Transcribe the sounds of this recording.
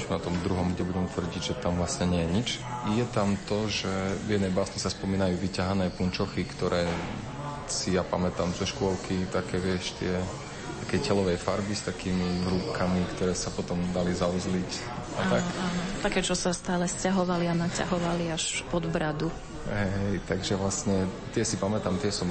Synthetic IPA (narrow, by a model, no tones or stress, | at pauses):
t͡ʃmɛnɔt̪ɔmd̪ɾuɦɔmɡɟɛbuɟɛmɛt̪ʋr̩ɟiɟʒɛt̪amʋlasɲɛɲɪɛjɛɲit͡ʃjɛt̪amt̪ɔʒɛvjɛd̪nɛjbasnisaspɔmiːnajuːʋicaɦanɛːpunt͡ʃɔxikt̪ɔɾʔɛː | sijapamɛt̪aːmzɔʃkʊɔlkʰit̪akɛːʋɪɛʃt̪ɪɛ | t̪akɛjcɛlɔʋɛjfa̰ɾbist̪akiːmiɦɾupkʰamikt̪ɔɾɛːsapɔt̪ɔmd̪alizauzlic | at̪akat̪akɛːt͡ʃɔsast̪aːlɛscaɦɔʋalianaca̰ɦɔʋaliaʃpɔd̪bɾad̪u | ɦɛɛjt̪aɡʒɛʋlasɲɛt̪ɪɛsipamɛt̪amt̪ɪɛsɔm